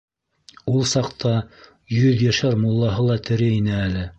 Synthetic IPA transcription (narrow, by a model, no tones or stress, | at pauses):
ulˠsɑqt̪ʰɑ | jɵðjæʃæɾmŏlˠːɑɦɤlˠɑt̪ɘ̆ɾɘinɘælɘ